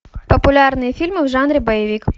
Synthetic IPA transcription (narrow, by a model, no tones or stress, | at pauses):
pɐpʊlʲɑrnɨjɐfʲilʲmɨwʐɑnɾʲibɐjɐʋʲik